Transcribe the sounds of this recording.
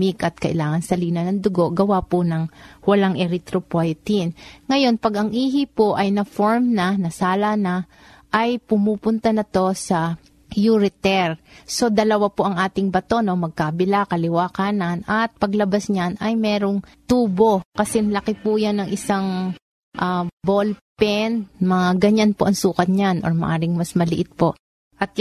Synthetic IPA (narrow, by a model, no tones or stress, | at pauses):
ikʔɐt̪̚kɐʔɪ̰laːŋɐnsɐliːnɐnɐŋd̪ʊɡo̞ʔɡɐwaponɐŋwɐlaŋʔɛɾɪt̪ɾopojt̪inŋɐjo̞npɐɡɐŋʔiːɦɪpoʔɐjnɐfoɹmnɐnɐsaːlɐnɐ | ʔɐjpʊmuːpʊnt̪ɐnɐt̪o̞sɐ | juɾɪt̪ɛɾso̞d̪ɐlɐwapo̞ʔɐŋʔaːt̪ɪŋbɐt̪o̞no̞mɐɡ̚kabɪlakɐlɪwaːkaːnɐnɐt̪̚pɐɡlɐbasɲanɐjmɛːɾo̞ŋt̪uːbo̞kɐsɛŋlɐkɪpujanɐŋʔɪsaŋ | ʔabolpɛnmɐŋaɡɐɲanpoʔɐŋsuːkɐt̪̚ɲanʔo̰ɹmɐ̰ʔaːɾɪŋmɐsmɐlɪʔɪt̪̚po̞ʔ | ʔɐt̪̚